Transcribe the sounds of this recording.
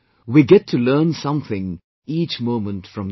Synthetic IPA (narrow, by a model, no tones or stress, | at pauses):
wiɡɛtʰːulɜːnsʌ̃mθɪ̃ŋ | iːt͡ʃmõʊmə̃ntfɹʌ̃m